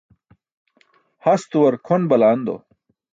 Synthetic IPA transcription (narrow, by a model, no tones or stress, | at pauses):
hɐst̪uwɐɾkʰonbɐlaːnd̪o̰